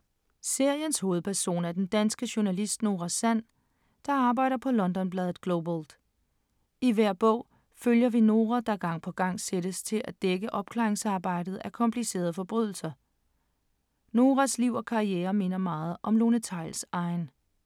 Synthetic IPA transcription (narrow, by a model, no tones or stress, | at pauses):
se̝ɐ̰jənsho̝ːð̞̩ˠpʰæɐso̝̰ːnæd̥end̥ænsɡ̥əɕonælisd̥no̝ːʁasæn̰ | d̥ɑ̈ɑ̈ːb̥ɑ̈ɪ̰ɾ̥ɐpʰɒ̽lɒ̽nd̥ɒ̽nb̥lɛːð̩ˠɡ̥lobold̥ | iʋæɐ̰b̥ɔ̰̽ʊ̰ | føljɐʋino̝ːʁæd̥ɑ̈ɡ̥ɑ̈ŋ̰pʰɒ̽ɡ̥ɑ̈ŋ̰sed̥əst͡sʰe̝lʔæd̥eɡ̥əʔɒ̽b̥kʰlɑ̰̈ːʁeŋsɑ̈ːb̥ɑ̈ɪ̰d̥ð̞̩ˠækʰɒ̽mpʰlise̝̰ːɐð̞̩ˠfɒ̽b̥ʁyð̞̰ˠl̩sɐ | no̝ːʁæsliʊ̰ɒ̽kʰɑ̈ieːɐme̝nɐmɑ̈ːð̞̩ˠʔɒ̽mlo̝nət͡sʰɑ̈ɪ̰lsɑ̈ɪn